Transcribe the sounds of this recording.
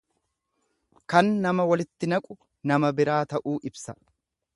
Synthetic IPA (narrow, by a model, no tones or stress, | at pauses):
kɐnːɐmɐwɐlɪt̪ːɪnɐkʼʊ | nɐmɐbɪɾaːt̪ɐʔuːʔɪbsɐ̥